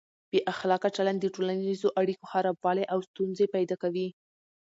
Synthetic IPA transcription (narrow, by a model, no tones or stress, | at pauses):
b̥eʔaxlɑkat͡ʃaland̪əʈolanizoʔaɽikoxaɾabwɑleʔawst̪unzepajd̪ɑkawi